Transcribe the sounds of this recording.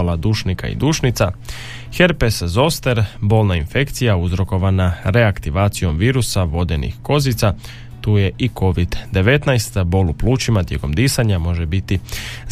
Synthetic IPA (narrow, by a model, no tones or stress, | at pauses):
lad̪uːʃnika̰ḭd̪uːʃnit̪sa | xe̞ɾpeszo̞st̪eɾbo̞ːlˠnainfe̞kt̪sijauzɾo̞ko̞ʋanaɾe̞akt̪iʋaːt̪sijo̞mʋiːɾusaʋo̞d̪e̞nḭxko̞zit̪sa | t̪uːje̞ʔiko̞ʋid̪d̪e̞ʋe̞t̪najst̪bo̞lupluːt͡ʃimat̪je̞ko̞md̪iːsaɲamo̞ʒebit̪iz